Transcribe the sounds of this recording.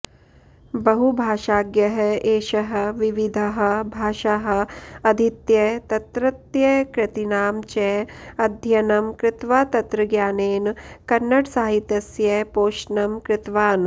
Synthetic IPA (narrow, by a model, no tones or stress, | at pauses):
bɐɦubʱaːʃaːɡjɐɦɐeːʃɐɦɐ̆ʋiʋid̪ʱɐɦɐ̆bʱaːʃɐɦɐ̆ɐd̪ʱit̪jɐt̪ɐt̪ɾɐt̪jɐkɾɪt̪inaːmt͡ʃɛːɐd̪ʱjɐnɐmkɾɪt̪ʋaːt̪ɐt̪ɾɐɡjaːneːnkɐnːɐʈsaːɦit̪ːɐsjɐpoːʃnɐmkɾɪt̪ʋaːn